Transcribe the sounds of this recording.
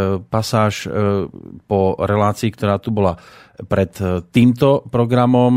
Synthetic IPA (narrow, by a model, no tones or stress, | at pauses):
pasaːʃ | pɔɾɛlaːt͡siːkt̪ɔɾaːt̪ubɔla | pɾɛt̪ːiːmt̪ɔpɾɔɡɾamɔm